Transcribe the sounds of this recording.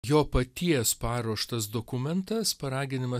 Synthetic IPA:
joːpɐt̪ʲiɛspɑːɾuɔʃt̪ɐsd̪oːkʊmʲɛnt̪ɐspɐɾɑːɡʲɪnʲɪmɐ

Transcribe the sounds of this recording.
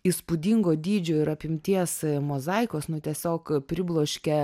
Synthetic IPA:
iːspʊd̪ʲiŋɡoːd̪ʲiːd͡ʒʲoːɪɾɐpʲɪmʲt̪ʲiɛsmoːzɐɪkoːsnʊt̪ʲiɛsʲoːkpʲɾʲɪblˠoːʃʲkʲɛ

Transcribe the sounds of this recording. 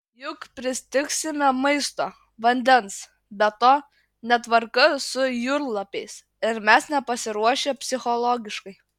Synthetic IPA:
jʊkpʲɾʲɪsʲt̪ʲɪksʲɪmʲɛmɐɪst̪oː | ʋɐnʲd̪ʲɛns | bʲɛt̪oː | nʲɛt̪ʋɐɾkɐsʊjʊɾlˠɐpʲɛɪs | ɪɾmʲɛsnʲɛpɐsʲɪɾuɔʃʲepʲsʲɪxɔlˠɔːɡʲɪʃkɐɪ

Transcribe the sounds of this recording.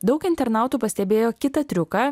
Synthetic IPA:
d̪ɒʊkɪnʲt̪ʲɛɾnɑːʊt̪uːpɐsʲt̪ʲɛbʲeːjoːkʲɪt̪ɐt̪ʲɾʲʊkɐ

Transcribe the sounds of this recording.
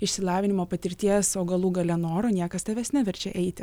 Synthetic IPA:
ɪʃʲsʲɪlˠɑːʋʲɪnʲɪmoːpɐt̪ʲɪɾʲt̪ʲiɛsoːɡɐlˠuːɡɐlʲɛnoːɾoːnʲiɛkɐst̪ɐʋʲɛsʲnʲæʋʲɛɾʲt͡ʃʲɛʔɛɪt̪ʲɪ

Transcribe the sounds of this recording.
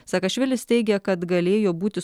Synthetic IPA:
sɐkɐʃʲʋʲɪlʲɪst̪ʲɛɪɡʲɛkɐt̪ɡɐlʲeːjoːbuːt̪ʲɪ

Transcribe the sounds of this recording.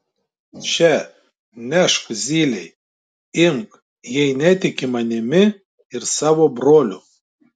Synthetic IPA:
t͡ʃʲɛ | nʲæʃkzʲiːlʲɛɪ | ɪmk | jɛɪnʲɛt̪ʲɪkʲɪmɐnʲɪmʲɪ | ɪɾsɑːʋoːbɾoːlʲʊ

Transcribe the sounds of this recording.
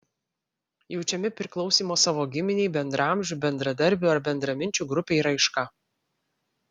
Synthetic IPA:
jɛʊt͡ʃʲɛmʲɪpʲɾʲɪklˠɒʊsʲiːmoːsɑːʋoːɡʲɪmʲɪnʲɛɪbʲɛnd̪ɾɑˑmʲʒʲuːbʲɛnd̪ɾɐd̪ɐɾʲbʲʊɐɾbʲɛnd̪ɾɐmʲɪnʲt͡ʃʲuːɡɾʊpʲeːiɾɐɪʃkɐ

